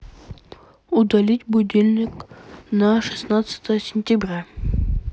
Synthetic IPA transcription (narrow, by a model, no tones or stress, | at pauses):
ʊd̪ɐlʲitʲbʊdʲelʲnʲɪknaʂɨ̥snat̪sə̥t̪əjəsʲɪnʲtʲɪbɾʲa